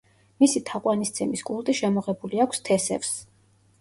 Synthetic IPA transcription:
misit̪ʰaqʼwanist̪sʰɛmiskʼulˠt̪ʼiʃɛmɔʁɛbuliakʷʰst̪ʰɛsɛ̰fs

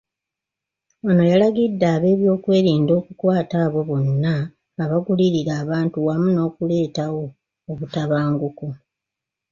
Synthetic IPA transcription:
ono̞jalaɡidːaːβe̞ːβjo̞ːkwe̞ːɾiːndo̞ːkukwaːtaːβo̞βo̞nːaː | βaɡuliɾiɾaːβaːntuwamuno̞ːkule̞ːtawo̞ː | βutaβaːŋɡuko

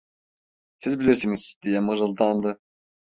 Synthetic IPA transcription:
sizbilʲiɾsiniz̥d̪̥ijɛmɯɾɯlˠd̪ɑnd̪ɯ

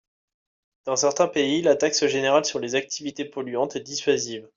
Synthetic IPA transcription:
d̪̥ɑ̃sɛʁt̪ɛ̃peilat̪aksəʒeneʁalsyʁlezak̚t̪ʰivit̪epɔlɥɑ̃t̪ɛd̪isɥaziv

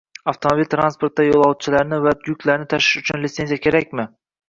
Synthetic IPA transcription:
aft̪ʰomobilʲt̪ʰɾanspo̞ɾt̪̚d̪ajolˠɑwt̪̚t͡ʃʰɪlaɾnɪvad̪jʊkʲlaɾnɪt̪ʰaʃɪ̥ʃʊt͡ʃʰʊnlɪt̪senzijakʲʰe̞ɾakʲmɪ

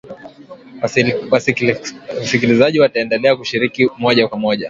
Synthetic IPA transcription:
wa | sikilizaʄiwataɛndɛlɛakuʃiɾikimɔʄakwamɔʄa

